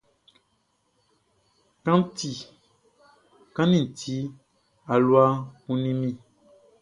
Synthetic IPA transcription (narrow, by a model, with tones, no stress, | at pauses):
kã˦n˦ti˨ | kã˦nĩ˦˨tʰi˨˦ | a˨lwa˦kũ˦nĩ˦mĩ˦˨